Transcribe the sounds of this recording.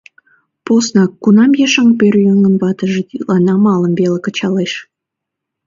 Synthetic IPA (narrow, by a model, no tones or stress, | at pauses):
posnɑkːunɑmjeʃɑŋpørjøŋənβɑt̪əʒet̪ilɑnɑmɑləmβelekə̆t͡ɕɑleʃ